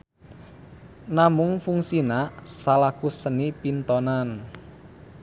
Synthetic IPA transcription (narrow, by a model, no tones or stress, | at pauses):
namʊŋfuŋsinasalakusənipint̪ɔnan